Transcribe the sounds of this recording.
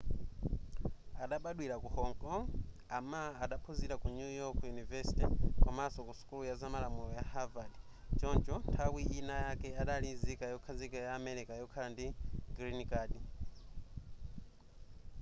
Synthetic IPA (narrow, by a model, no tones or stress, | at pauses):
aɗaɓaɗwiɾakuhɔŋkʼɔŋ | amaːɗapʰoziɾakunujɔkʰjunivɛsi̥tikamasɔkusu̥kulujazamalamulɔjahavaɗi | t͡ʃɔnt͡ʃɔntʰawiʔinajakɛaɗalizikajɔkʰazikajaːmɛɾikajɔkʰalandiɡɾinikaɗi